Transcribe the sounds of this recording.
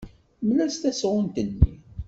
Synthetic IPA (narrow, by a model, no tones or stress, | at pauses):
məlæst̪æsʁʊnt̪ənːḭ